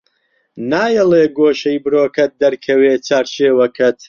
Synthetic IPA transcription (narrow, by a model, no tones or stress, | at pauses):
naːjɐleːɡoːʃɐjbɨɾoːkʰɐt̪̚d̪ɐɾkʰɐweːt͡sʰaːɾt͡ʃeːwɐkʰɐt̪ʰ